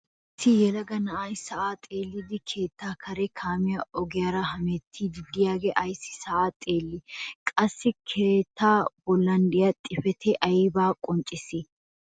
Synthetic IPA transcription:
ɪt̪ːɪjɛlɐɡɐnɐʔajsɐʔaːt̪ʼe̞ːlːɪd̪ɪkʰe̞ːt̪ːaːkʰɐɾɛkʰaːmɪjɐɔɡɪjɐɾɐhɐmɛt̪ʰːid̪ɪd̪ɪjaːɡɛʔɐjsːɪ̥sɐʔaːt̪ʼe̞ːlːɪkʼɐsːɪkʰeːt̪ːaːbɔlːɐnd̪ɪjɐt̪ʼɪfɛt̪ʰɛʔɐjɪbaːkʼɔnt͡ʃʼːɪsɪ

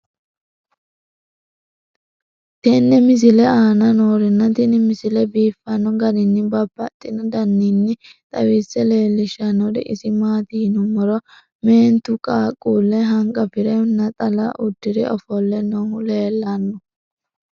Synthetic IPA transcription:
t̪ɛnːɛmɪs̬ɪlɛaːnɐnoːɾɪnːɐt̪ɪnɪmɪsɪlɛbiːfːɐnːɔɡɐnɪnːɪbɐbːɐt̪ʼːɪnɔd̪ɐnːinːɪt̪ʼɐwiːsːɛle̞ːlːɪʃɐnːɔd̪ɛ̰ʔɪsɪmaːt̪iːnʊmɔɾɔ | meːnt̪ʊkʼaːkʼːuːlːɛɦɐŋkʼɐpɪɾɛnːɐt̪ʼɐla̰ʔʊd̪ːɪɾɛ̰ɔfɔlːɛnɔhʊleːlːanːɔ

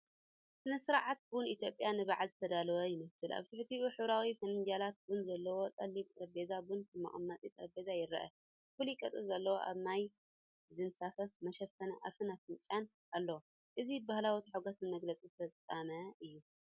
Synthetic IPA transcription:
sɨnɐsɨɾaʕat̪̚bʊnit̪ʰjo̞pʼjanɨβaʕalzɨt̪ʰɐd̪alɐwɐjɪmɐsɨlʔa̰βt̪ʰɨħt̪ʰiuħɨβɾawifɐnɨnd͡ʒalat̪̚bunzɐlːɐwo̞t̪ʼɐlːiβɐbezabunɨmɐ̰χʼɨmːɐt̪ʼit̪ʼɐbezajɪɾɐʔɐ̰ | fɨlikʼɐt̪ʼɨzɐlːɐwo̰ʔa̰βnaj | zɨnsafɐfmɐʃɐfɐnɐʔafɨnafɨnt͡ʃʼan | ʔalːɐwo | ʔɨzibahlawit̪ʰħaɡot̪nɨmɐɡlɐt͡sʼifɐt͡sʼːamɐɨjːu

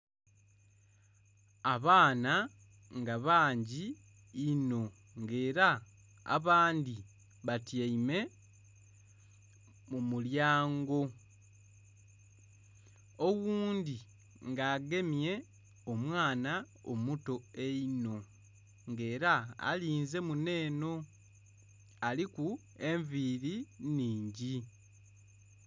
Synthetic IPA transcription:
aβaːna | ŋɡaβaːɲɟiː | no̞ | ŋɡe̞ːɾa | a̰βaːndi | βatjaime̞ | mumuljaːŋɡo̞ | owuːndi | ŋɡaːɡe̞mje̞ | omwaːna | o̰muto̞e̞ino̞ | ŋɡe̞ːɾaa̰liːnze̞mune̞ːno̞ | aliku | e̞ɱviːɾiniːɲɟi

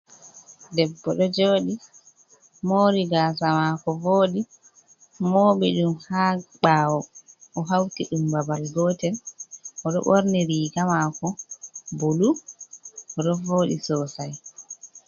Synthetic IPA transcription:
dɛbːɔɗɔd͡ʒoːɗi | moːɾiɡaːsamakɔvoːɗi | moːɓiɗumhaːɓaːwɔʔɔɦawkiɗumbabalɡɔːtɛnʔɔɗɔ̰ɓoɾniɾiːɡamaːkɔbolu | ɔɗɔvoːɗḭsɔːsaj

